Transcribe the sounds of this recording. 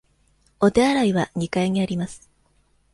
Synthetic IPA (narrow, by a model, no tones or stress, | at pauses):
o̞t̪e̞aɾaiβ̞aɲ̟ikaiɲ̟iaɾʲimasɨ̥